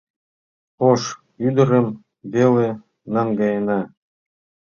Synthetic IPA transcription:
poʃ | yd̪ə̆ɾə̆m | vele | nɑŋɡɑjenɑ

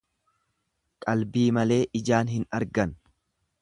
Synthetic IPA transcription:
kʼɐlbiːmɐle̞ːʔɪd͡ʒaːnɦɪnɐɾɡɐn

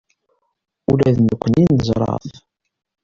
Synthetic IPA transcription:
ulæðnəkʷːəninəzˤɾˤɑ̰θ

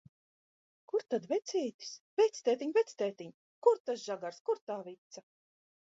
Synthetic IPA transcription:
kuɾt̪ad̪vɛt̪sʲiːt̪i̥svɛt̪sʲt̪ɛːt̪ʲiɲvɛt̪st̪ɛːt̪iɲ | kuɾt̪asʒaɡaɾskuɾt̪aːvit̪sa

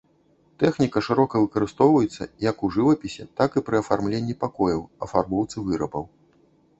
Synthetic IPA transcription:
t̪ɛxnʲikɐʂɨɾɔkɐvɨkɐɾɨst̪ɔwvɐjɛt̪sːɐ̰jɐkuʐɨvɐpʲisʲɛ̰t̪akɨpɾɨɐfarmlʲenʲːipakɔjɐwɐfarbɔwt̪sɨvɨɾɐbɐw

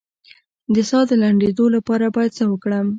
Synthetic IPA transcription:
d̪əsɑd̪əlaɳɖed̪olapɑɾabɑjad̪̚səwəkɽəm

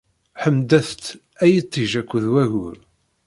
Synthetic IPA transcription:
ħəmd̪æθt̪ | æjət̪ˤːiʒækʷːəðwæʝʊɾ

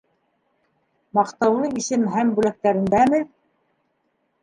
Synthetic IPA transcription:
mɑqt̪ɑwlˠɤisɘmɦæmbʉlæk̚t̪æɾɘ̆nd̪æmɘ

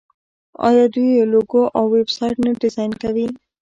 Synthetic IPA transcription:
ɔ̰jɑd̪ieloɡoʔɔwebsajʈnaɖɪzajnkawi

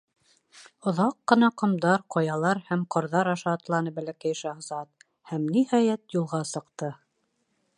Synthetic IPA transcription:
ŏðɑqːɤ̆nɑqŏmd̪ɑɾqojɑlˠɑɾhæmqŏɾðɑɾɑʃɑːt̪lˠɑnɤbælækæjʃɑhzɑt̪̚ | hæmnihɑjæt̪julˠʁɑsɤ̆qt̪ɤ

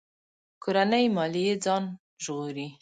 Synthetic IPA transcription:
koɾanəjmɑlijed͡zɑn | ʒɣuɾi

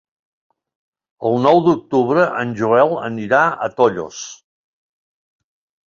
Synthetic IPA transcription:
əlˠnɔwd̪uk̚t̪uβɾəʔənʲʒuɛlˠə̰niɾaə̰t̪ɔʎo̰s

